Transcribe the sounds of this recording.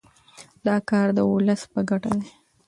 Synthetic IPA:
d̪̥ɑkɑɾd̪əʊləspəɡaʈad̪e

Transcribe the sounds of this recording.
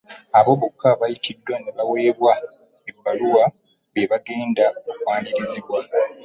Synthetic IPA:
aβo̞βukʰːaβajitidːwaneβawe̞ːβwa | ebːaluwa | βeβaɡe̞ːndaokwaːɲdiɾiziβwa

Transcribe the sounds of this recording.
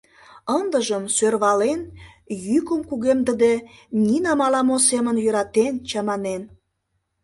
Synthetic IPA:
ənd̪əʒəmsørβɑlen | jykəmkuɣemd̪əd̪enʲinɑmɑlɑmosemənjøɾɑt̪ent͡ɕɑmɑnen

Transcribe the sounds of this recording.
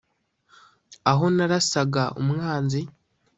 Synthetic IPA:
aɦo̞naɾasaɡaʔṵmŋaːnzi

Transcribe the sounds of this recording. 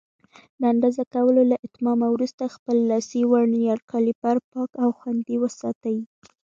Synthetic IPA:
d̪əaaɳɖazakawəlolaʔɪt̪mɑmawɾust̪axpəlːɑsiwaɾnjɑɾkʰɑlipaɾpɑkawxwand̪iwəsɑt̪awi

